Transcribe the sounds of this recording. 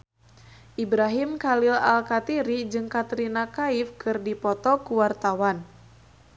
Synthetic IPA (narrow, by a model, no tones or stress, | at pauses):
ʔibɾaɦimkalila̰lkat̪iɾid͡ʒɨŋkat̪ɾinakaɪfkɨrdipɔt̪ɔkuwart̪awan